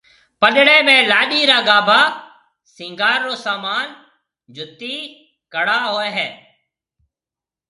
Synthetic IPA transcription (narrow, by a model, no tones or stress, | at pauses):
pəɗɽeːmẽːlaːɗiːɾaːɡaːbʱaː | sɪ̃ːŋɡaːɾːoːsaːmaːn | d͡ʒʱʊt̪ːiː | kəɽaːɦoːeːɦɛː